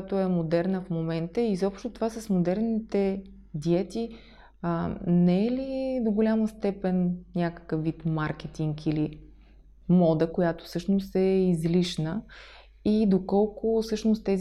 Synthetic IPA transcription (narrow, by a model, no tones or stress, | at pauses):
at̪oɛmod̪ɛɾnəfmomɛnt̪əizɔpʃt̪ot̪ovasəsmod̪ɛɾnit̪ɛ | d̪iɛt̪i | nɛɛlid̪oɡolʲaməst̪ɛpɛnnʲakə̥kəfːit̪maɾk̟ɛt̪iŋkili | mɔd̪əkojat̪o̥fsɤʃnost̪ɛizliʃnə | id̪okɔlˠkofsɤʃnost̪t̪ɛz